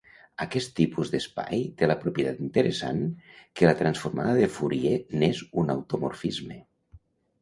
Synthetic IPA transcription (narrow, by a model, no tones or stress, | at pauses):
akɛst̪ːipuzd̪espa̰jt̪elapɾupjet̪at̪int̪əɾesa̰nkelat̪ɾansfuɾmaðaðefuɾienezuna̰wt̪omo̰ɾfizme